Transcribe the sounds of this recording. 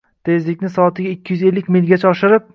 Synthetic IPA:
t̪ʰe̞zlɪkʲnɪsɒːt̪ʰɪɡʲaɪkʲːɪjyze̞lːɪkʲmɪlʲɡʲat͡ʃʰaɒʃɪɾɪp̚

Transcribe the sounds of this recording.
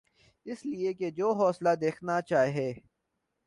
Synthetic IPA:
ɪslieked͡ʒoːɦɔːslad̪eːkʰnat͡ʃaːɦeː

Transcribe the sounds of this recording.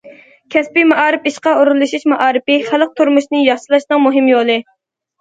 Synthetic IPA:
kʲʰɛspimɑʔɑːɾɪpiʃqɑoɾulˠːɨʃiʃmɑʔɑːɾɪpɪχælˠəq̚t̪ʰuɾmuʃnɨjɑχʃɨlˠɑʃnɨŋmoɦɪmjolˠɨ

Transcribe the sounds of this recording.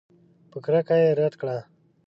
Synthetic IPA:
pəkɾakajeɾat̪kɽa

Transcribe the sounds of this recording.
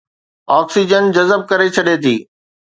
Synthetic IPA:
ɔːksid͡ʑənd͡ʑɐzəb̚kɐɾet͡ɕʰɐɗet̪ʰiː

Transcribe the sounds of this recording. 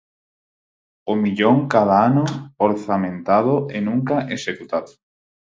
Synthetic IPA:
omiʎoŋkaðaanooɾθamẽnt̪aðoʔenũŋkaʔesekut̪aðo

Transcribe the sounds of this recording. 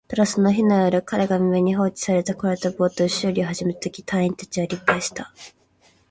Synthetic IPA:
t̪oɾasɨno̞çinojoɾɯ̟kaɾe̞ɡamʲime̞ɲ̟iɦo̞ːt͡ɕi̥saɾe̞t̪akoɾet̪abo̞ːt̪oɕɨːɾʲiohaʑimeɾɯ̥t̪okʲi̥t̪ʰaĩnt̪ḁt͡ɕiβaɾʲipːaɕi̥t̪a

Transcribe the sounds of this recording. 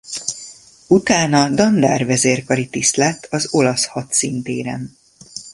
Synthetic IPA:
ut̪aːnɒd̪ɒnd̪aːrvɛzeːrkɒɾit̪islɛt̪ʰːɒzo̞lɒshɒt̪sint̪ḛːɾɛ̰n

